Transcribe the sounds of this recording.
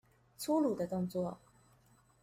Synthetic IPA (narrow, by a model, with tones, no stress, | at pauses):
t͡sʰu˥lu˨˩d̪ə˦˧t̪ʊ˥˧ŋt͡swɔ˥˩